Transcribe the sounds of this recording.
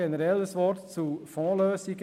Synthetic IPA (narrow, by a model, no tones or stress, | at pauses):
ɛnəɾɛləsʋɔːɾtt͡sufɔ̃ːløːsɪɡ